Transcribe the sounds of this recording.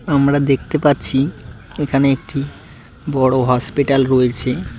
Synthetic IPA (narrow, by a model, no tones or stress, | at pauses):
amɾad̪ekʰt̪epatːɕʰiekʰaneek̚ʈi | bɔɽoɦɔspiʈalɾoet͡ɕʰe